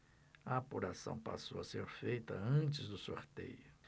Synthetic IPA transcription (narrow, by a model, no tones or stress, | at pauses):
ɐapuɾasɐ̰̃w̃pa̰sowɐseɾfejt̪ɐɐ̃t͡ʃɪzd̪ʊsoɾt̪ḛjʊ